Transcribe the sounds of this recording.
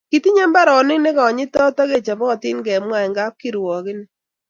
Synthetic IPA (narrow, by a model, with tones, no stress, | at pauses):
ki˨ti˦ɲɛ˦mba˦ɾɔ˨nɪ˦ŋne˦kɔ˨ɔ˨ɲɪ˦tɔ˦tɔ˦ke˦˨t͡ʃa˨bɔ˦ɔ˨tɪ˦nɡɛ˨mwa˦˨ɪ˨ŋɡa˦p̚ki˦ɾwɔ˨kɪ˦n˦